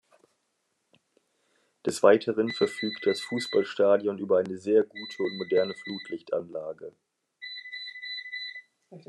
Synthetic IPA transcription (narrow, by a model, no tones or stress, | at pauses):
d̥ɛsv̥aɪtʰəʁənfɛɐfyːktd̥asfuːsb̥alʃtaːdjɔnʔyːbɐaɪnəzeːɐɡuːtʰəʊntmodɛɐnəfluːtʰlɪçtʔa̰nlaːɡə